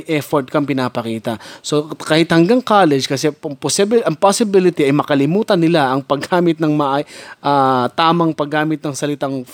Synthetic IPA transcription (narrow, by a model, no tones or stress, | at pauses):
ʔɛfoɹt̪̚kɐŋpɪnaːpɐkiːt̪ɐsokahɪt̪hɐŋɡaŋkaːlɛd͡ʒkɐsɛɐŋposɪbʔɐŋposɪbɪlɪt̪iɐjmɐkɐlɪmuːt̪ɐnːɪlaʔɐŋpɐɡaːmɪt̪̚nɐŋmɐʔaʔat̪aːmɐŋpɐɡːaːmɪt̪nɐŋsɐlɪt̪aŋ